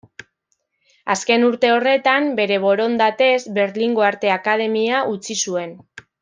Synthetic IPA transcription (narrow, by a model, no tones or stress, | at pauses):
a̰ske̞nuɾt̪e̞o̞re̞t̪ambe̞ɾe̞β̞o̞ɾo̞nd̪at̪e̞zbe̞ɾliŋɡo̞aɾt̪e̞akað̞e̞miaʔut͡sisue̞n